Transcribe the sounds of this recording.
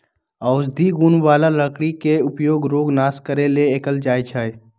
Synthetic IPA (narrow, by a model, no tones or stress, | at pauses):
aʊd͡ʒd̪ʱiɡuːnʋaːlaləkɽikeʊpjoːɡɾoːɡnaːskəɾeleeːkəld͡ʒaːjt͡ʃʰaːj